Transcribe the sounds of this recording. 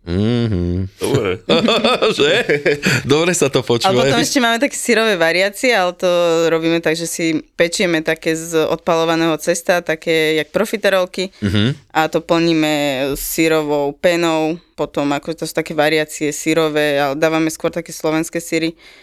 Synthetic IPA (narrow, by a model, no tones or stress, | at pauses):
ɦ̩̪ɔbɾɛ̰ | ʒɛ | d̪ɔbɾɛsat̪ɔpɔt͡ʃalɛuːʋapɔt̪ɔmɛʃcɛmaːmɛt̪akɛːsiɾɔʋɛːʋaɾiaːt͡siɛalɛt̪ɔɾɔbiːmɛt̪aɡʒɛsipɛt͡ʃʊjɛmɛt̪akɛːzɔ̰t̪̚palɔʋanɛːɦɔt͡sɛst̪at̪akɛːjak̚pɾɔfit̪ɛɾɔlkiɦat̪ɔpl̩ɲiːmɛsːiɾɔʋɔʊpɛnɔʊpɔt̪ɔmakɔʒɛt̪ɔsu̥t̪akɛːʋaɾɪaːt͡siɛsiɾɔʋɛːalɛd̪aːʋamɛskʊɔɾt̪akɛːslɔʋɛnskɛːsiɾi